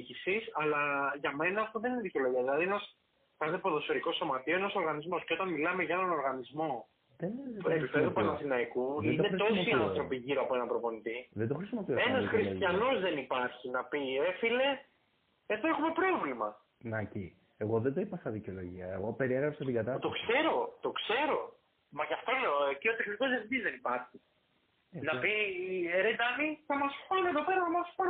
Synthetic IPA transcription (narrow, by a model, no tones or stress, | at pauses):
cisisɐlɐʝɐme̞nɐːft̪oðe̞nineðiceo̞lo̞ʝiɐðilɐðienɐs | kɐt̪epoðo̞so̞ɾiko̞so̞mɐt̪ioenɐso̞ɾɣɐnizmo̞sceo̞t̪ɐnmilɐme̞ʝɐenɐno̞ɾɣɐnizmo̞ | ðenepipeðopuɐnɐsinɐikuðid̪net̪o̞siɐnθɾo̞piʝiɾoɐpo̞e̞nɐpɾo̞po̞nit̪iðed̪oxɾisimopioenɐsxɾist̪çɐno̞zðe̞nipɐɾçinɐpie̞file̞ | eðoexume̞pɾo̞vlimɐ | nɐci | eɣo̞ðend̪oipɐsɐðiceo̞lo̞ʝiɐḛɣopeɾieɣɾɐpsɐt̪iɡɐt̪ɐt̪o̞kse̞ɾo̞t̪o̞kse̞ɾo̞ | mɐʝɐft̪o̞cio̞t̪exniko̞zefd̪izðe̞nipɐɾçi | nɐpiɾed̪ɐniθɐmɐspɐnieðo̞pe̞ɾɐθɐmɐspɐn